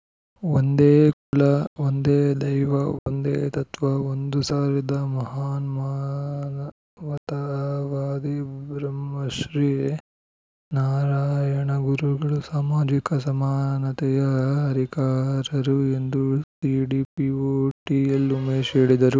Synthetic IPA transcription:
ond̪eːkuɭɐond̪eːd̪ɐjʋɐo̰nd̪ḛːt̪ɐt̪ʋaond̪usaːɾid̪ɐmɐɦaːnmanɐ | ʋɐt̪ɐʋaːd̪ibɾɐmːɐʃɾiː | naːɾaːjɐɳɐɡuɾuɡɐɭusaːmaːd͡ʒikɐsɐmaːnɐt̪ɛjɐɐɾikaːɾɐɾue̞nd̪usiɖiːpioʈielumeːʃeːɽid̪ɐɾu

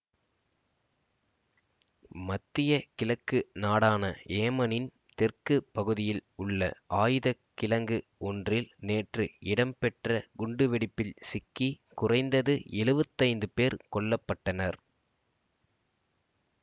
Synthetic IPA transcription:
mɐt̪ːɪjɐkɪlɐkːɯnaːɽaːnɐeːmɐnɪn | t̪ɛrkɯpɐɣɯðɪjɪlʊɭːɐ̰ʔaːjɯðɐkːɪlɐŋɡɯɔndrɪlneːʈrɯɪɽɐmpɛʈrɐɡʊɳɖɯʋɛɽɪpːɪlsɪkːikʊrɐɪnd̪ɐðɯɛlɯʋɐt̪ːɐɪnd̪ɯpeːɾkɔɭːɐpːɐʈːɐnɐɾ

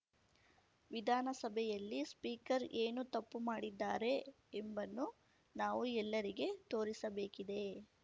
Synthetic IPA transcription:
ʋid̪ʱaːnɐsɐbʱɛjɐlːispiːkɐɾeːnut̪ɐpːumaːɽid̪ːaːɾe̞ː | mbɐnːu | naːʋuɛlːɐɾiɡe̞t̪o̞ːɾisɐbe̞ːkid̪e̞

